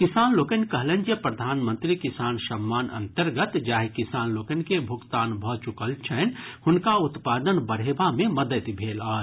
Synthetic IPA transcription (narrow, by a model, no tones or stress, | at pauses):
kɪsaːnloːkənkəɦlə̃nd͡ʒjəpɾəd̪ʱaːnmə̃nt̪ɾikɪsaːnsəmːaːnə̰̃nt̪əɾɡət̪d͡ʒaːɦikɪsaːnloːkənkebʱʊkt̪aːnbʱɔt͡ʃʊkəlt͡ʃʰɛːnhʊnkaʊt̪paːd̪ənbəɽ̤eːbamẽməd̪ət̪bʱeːlaː